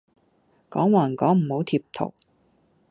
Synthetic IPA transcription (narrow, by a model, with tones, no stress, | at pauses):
kɔː˨˥ŋwaː˨˩nkɔː˨˥ŋm̩˨˩ho˨˥wt̪ʰiː˧p̚t̪ʰo̰˨˩w